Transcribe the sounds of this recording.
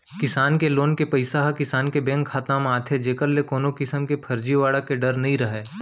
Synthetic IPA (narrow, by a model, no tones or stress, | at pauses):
kɪsaːnkeloːnkepɐɪsaɦkɪsaːnkebɛ̃ːŋkʰːaːt̪aːmaːt̪ʰed͡ʒeːkəɾlekoːnokɪsəmkepʰɐɾd͡ʒiʋaːɽəkeɖɐɾnɐɦĩɾɐɦeː